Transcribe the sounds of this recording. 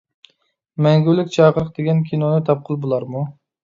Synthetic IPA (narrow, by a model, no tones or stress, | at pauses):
mɛŋɡʲylːɪkʲt͡ʃʰɑqəɾəqd̪eɡʲɛnkʲʰinonɨt̪ʰɑp̚qʰʊlˠbolˠɑɾmu